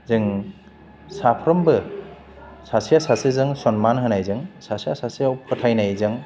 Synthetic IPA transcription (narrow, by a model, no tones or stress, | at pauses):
zɯŋ | sapʰɾɔmbɯ | sasijasasɯzɯŋsɔnmanɦɯnajzɯŋsasijasasiawpʰɯtʰajnajzɯŋ